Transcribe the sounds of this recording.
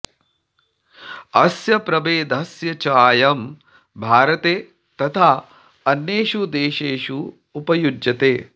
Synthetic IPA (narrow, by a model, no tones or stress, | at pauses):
ɐsjɐpɾɐbeːd̪ʱɐsjɐt͡ʃaːjɐm | bʱaːɾɐt̪eː | t̪ɐt̪ʰaː | ɐnjeːʃud̪eːʃeːʃuː | pɐjud͡ʒjɐt̪eː